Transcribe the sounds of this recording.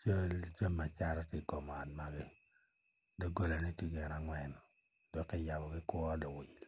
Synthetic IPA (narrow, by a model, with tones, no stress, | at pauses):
t͡ʃo˦ld͡ʒa˦mːa˨t͡ʃa˦ɾɔ˦ti˦kɔ˨m˨a˨t̚ma˨ɡɪ˦ | do˦ɡo˦la˨ni˦ti˦ɡɛ˨na˨ŋwɛ˨n | d̥ɔ˨kːe˦ja˨bɔ˨ɡɪ˦kwɔ˦dɔ˨wɪ˨l